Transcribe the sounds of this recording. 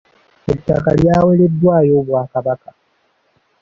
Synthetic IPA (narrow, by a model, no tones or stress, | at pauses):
et͡ʃa̰kaljaːweledːwaːjobwaːkabaka